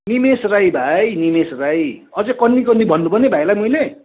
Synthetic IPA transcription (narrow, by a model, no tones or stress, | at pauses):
nimesrajbʱajnimesrajʌd͡zʌkʌnːikʌnːibʱʌnːubʱʌnebʱajlajmʌjle